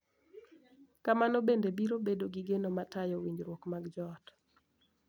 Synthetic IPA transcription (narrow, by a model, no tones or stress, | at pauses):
kamanɔbendebiɾobedoɡiɡenomatajɔwiɲd͡ʒɾwokmaɡd͡ʒɔt